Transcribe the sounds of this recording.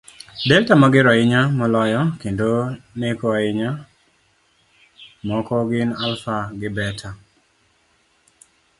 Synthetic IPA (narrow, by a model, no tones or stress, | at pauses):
dɛltamaɡɪɾɔɪɲamɔlɔjɔkendonekɔɪɲa | mɔkɔɡɪnalfaɡɪbɛtʰa